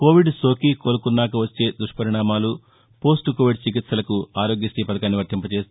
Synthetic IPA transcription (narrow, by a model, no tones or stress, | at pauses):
koːʋiɖso̞ːkikoːlukunːaːkɐʋɐt͡ʃːe̞ːd̪ɾuʂʈpɐɾiɳaːmaːlu | po̞ːsʈukoːʋiɖt͡ʃik̬it̪sɐlɐkuaːɾo̞ːɡjisʈ̪iːpɐd̪ɐkaːnːiʋɐɾt̪impɐt͡ʃeːs